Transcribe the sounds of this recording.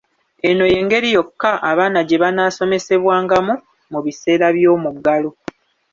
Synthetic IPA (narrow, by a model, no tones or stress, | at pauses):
e̞no̞je̞ːŋɡe̞ɾijo̞kːaʔaβaːnaɟe̞βanaːso̞me̞se̞βwaːŋɡamu | muβise̞ːɾaβjo̞ːmuɡːalo